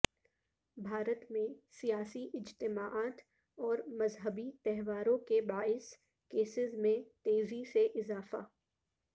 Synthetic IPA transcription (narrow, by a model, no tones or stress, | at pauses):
bʱaːɾət̪mẽsijaːsiʔɪd͡ʒt̪ɪmaːʔaːt̪ | ɔːɾmɐzɦəbit̪ɛɦʋaːɾõkebaːɪs | keːsɪzmẽt̪eːziseʔɪzaːfa̰ː